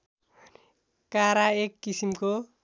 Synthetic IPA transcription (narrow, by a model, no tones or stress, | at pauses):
kaɾaekːisimko